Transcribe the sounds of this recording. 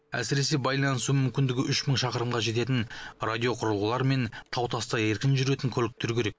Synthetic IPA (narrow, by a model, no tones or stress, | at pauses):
æ̰sɪɾe̞se̞bɑjlˠɑnəsumʏmkʲɪnd̪ɪɡʲɪʔʏʃməɴʃɑqəɾəmʁɑʒe̞t̪̬e̞t̪̬ɪnrad̪ʲijo̞qʰʊɾəlˠulˠɑɾme̞nt̪ʰɑwt̪ʰɑst̪ɑe̞ɾkʲɪnʒʏɾe̞t̪ɪŋkʲʰɵlɪk̚t̪eɾkʲʰe̞ɾe̞k̚